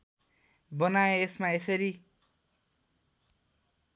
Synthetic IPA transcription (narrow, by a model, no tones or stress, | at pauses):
bʌnaeesmaesʌɾi